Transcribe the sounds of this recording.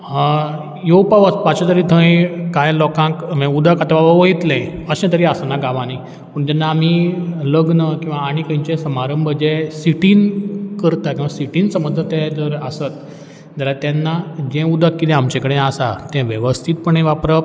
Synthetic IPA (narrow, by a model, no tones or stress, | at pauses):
jopaʋəspat͡ɕɔ̃t̪əɾid̪ʰʱə̃jkãjlɔkãkmẽud̪akat̪aʋaʋəʋəit̪lɛ̃əɕɛ̃t̪əɾiasanaɡaʋãni | pəɳd͡ʑɛnːaːm̤iləɡnəkĩw̃ʋaːɽ̃ikə̃j̃t͡ɕɛ̃səmaɾəmbʱəd͡ʑɛsiʈiːnkəɾt̪akĩw̃ʋasiʈiːnsəməd͡zʱət̪ɛ̃d͡z̪əɾəsət̪̚ | d͡zaɾat̪ɛnːad͡ʑɛ̃ud̪ʱəkːit̪ɛ̃amt͡ɕɛ̃kəɽẽasat̪ɛ̃ʋjəʋəst̪ʰit̪pəɳẽʋapɾə